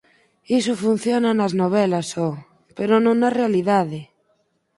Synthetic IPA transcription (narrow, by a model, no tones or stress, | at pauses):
isofun̟θjonanaznoβ̞elaso | peɾonõnarealiðaðe